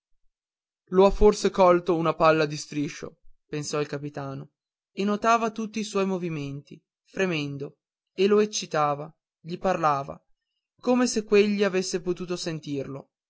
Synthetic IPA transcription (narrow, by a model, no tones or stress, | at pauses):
loafːorsekɔlt̪ounapalːad̪ist̪ɾiʃo̰pensɔilkapit̪aːno | enːot̪aːvat̪ut̪ːiːswɔjmoviment̪i | fɾemɛnd̪o | eloet͡ʃːit̪aːva | ʎiparlaːva̰ | koːmesekːweʎːiavesːepot̪uːt̪osent̪irlo